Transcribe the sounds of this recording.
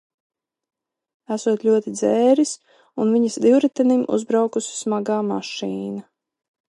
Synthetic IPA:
æsuɔt̪lʲuɔt̪id̪zɛːɾis | unviɲasd̪iwɾɛt̪ɛnimʔṵzbɾawkusi̥smaɡaːma̰ʃiːna

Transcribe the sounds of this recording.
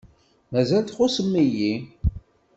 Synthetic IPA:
mæzælt̪χʊsəmːiji

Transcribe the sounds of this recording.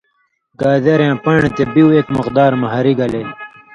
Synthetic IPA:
ɡaːd̪eɾjãːpɐɳ̃t̪ebiwekmʊqd̪aːɾmɐɦɐɾiɡɐlej

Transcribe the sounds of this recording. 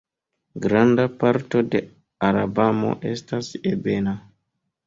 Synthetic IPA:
ɡɾandapaɾto̞de̞ | aɾabamo̞̰ʔe̞stasebe̞na

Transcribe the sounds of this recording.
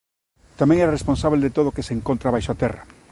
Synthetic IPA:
t̪amẽŋɛɾaresponsaβld̪et̪oðokeseŋkont̪ɾaβajʃoat̪ɛra̰

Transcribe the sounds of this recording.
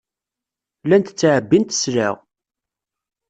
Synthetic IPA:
lænt̪ət͡sːʕəbːint̪ə̥sɾa̰ʁ

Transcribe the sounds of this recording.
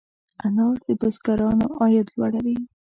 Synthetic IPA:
anɑɾd̪əbʊsɡaɾɑnoʔɑjɑd̪lwaɽawi

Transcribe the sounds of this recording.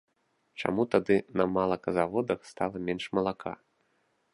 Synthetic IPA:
t͡ʂa̰mut̪ad̪ɨnɐmalˠɐkɐzavɔd̪ɐxst̪alˠɐmʲɛnʂmɐlˠakʰa̰

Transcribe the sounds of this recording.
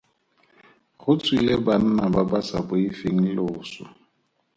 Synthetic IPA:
χʊt͡sʼwileban̩nababasabʊifeŋ̩loːsɔ̰

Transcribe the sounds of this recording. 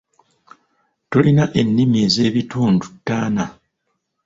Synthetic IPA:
tolinaʔe̞nːimie̞ːze̞ːβituːndutːaːna

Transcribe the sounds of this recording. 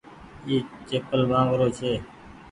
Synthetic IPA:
eːt͡ʃeːpəlmãːʋəɾoːt͡ʃʰeː

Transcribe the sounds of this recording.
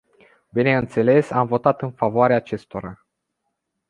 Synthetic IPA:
bine̞ɨnt̪se̞le̞samvo̞t̪at̪ɨnfavoaɾeaːt͡ʃe̞st̪o̞ɾa

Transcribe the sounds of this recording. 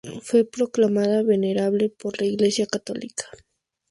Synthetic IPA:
fwepɾoklamaðaβeneɾaβlepoɾlaiɣlesjakat̪o̰likḁ

